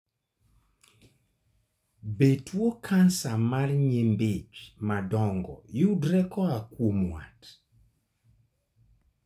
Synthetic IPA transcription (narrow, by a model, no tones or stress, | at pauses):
betʰwokʰansamarɲembet͡ʃmadɔŋɡɔ̰judɾɛkɔakwomwa̰t